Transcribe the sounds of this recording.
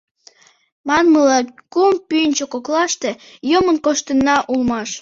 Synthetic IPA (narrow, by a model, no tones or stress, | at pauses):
mɑnməlɑkumpynʲt͡ɕokoklɑʃt̪e̽jomənkoʃt̪ənːɑʔulmɑʃ